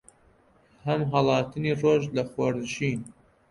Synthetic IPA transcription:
hɐmɦɐlˠɑːt̪ʰɨniːroːʒlɐxwɐɾd̪ʒin

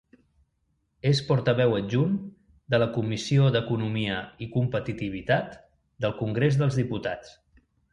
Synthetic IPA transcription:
espɔɾt̪əβɛwəʒun | d̪ələkumisioðəkunumiəikumpət̪it̪iβ̞it̪at̪ | d̪əlˠkuŋɡɾezðəlˠzðiput̪at͡s

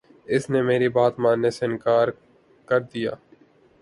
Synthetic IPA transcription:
ɪsnemeːɾibaːt̪mãːnesɪnkaːɾ | kɐɾd̪ija̰ː

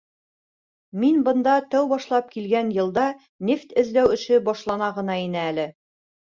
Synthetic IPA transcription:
minbɤ̆nd̪ɑt̪æwbɒʃlˠɑp̚kilɡænjɤ̆lˠd̪ɑ | nʲeft̪ɘ̆ðlæwɘ̆ʃɘbɒʃlˠɑnɑʁɤ̆nɑinɘælɘ

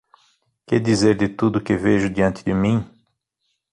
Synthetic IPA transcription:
kɪd̪izeɾd̪ɪt̪ud̪ʊkɪveʒʊd̪iɐ̃nt̪ɪd̪ɪmĩ

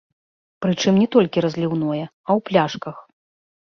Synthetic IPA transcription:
pɾɨt͡ʂɨmnʲɛt̪ɔlʲkʲiɾɐzʲlʲiwnɔjɛ | ɐwplʲaʂkɐx

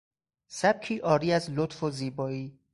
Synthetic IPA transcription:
sæb̥̚cʰiːʔɒːɾiːæzlot̪foziːbɒːiː

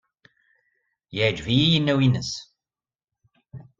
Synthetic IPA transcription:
jɛd͡ʒviːjənːəwinəs

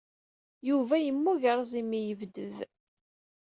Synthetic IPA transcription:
juvæjəmːuʝəɾˤzˤimijəvd̪əv

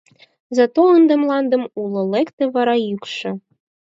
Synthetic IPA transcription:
zɑt̪oənd̪ə̆mlˠɑnd̪ə̆mulˠŏlekt̪eβɑɾɑjykʃɤ̆

